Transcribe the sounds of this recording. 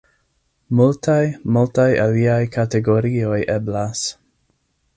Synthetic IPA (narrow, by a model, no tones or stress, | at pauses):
multʰajmultajaliajkʰateɡo̞ɾio̞jʔeblas